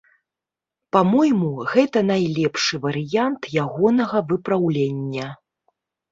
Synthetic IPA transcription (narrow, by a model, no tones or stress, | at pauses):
pamɔjmuɣɛt̪ɐnajlʲɛpʂɨvɐɾɨjant̪jaɣɔnɐɣɐvɨpɾawlʲenʲːɐ